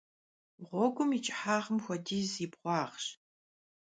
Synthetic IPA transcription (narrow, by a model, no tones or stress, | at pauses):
ʁʷɔɡʷʊmit͡ʃʼħaːʁəmxʷɔdiːziːbʁʷɑːχɕ